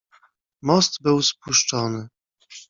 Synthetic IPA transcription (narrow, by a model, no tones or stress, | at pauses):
mɔst̪bɘwspuʂt͡ʂɔnɘ